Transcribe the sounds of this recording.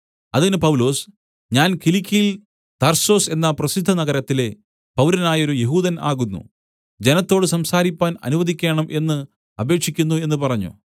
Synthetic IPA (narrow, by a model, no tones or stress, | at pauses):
ɐðinɨpɐwlo̞ːs | ɲaːnkilikʰʲːijil | t̪ɐrso̞ːse̞nːɐprɐsid̪ʱːɐnɐɣɐɾɐt̪ːile̞ | pɐwlɐnaːjo̞ɾujeɦuːðɐna̰ːɣunːṵ | d͡ʑe̞nɐt̪ːo̞ːɽɨsɐmsaːɾipʲːaːnɐ̰nuʋɐðikʲːeːɳɐmʔe̞nːɨ | ɐbe̞ːkʂikʲːunːue̞nːɨpɐrɐɲːṵ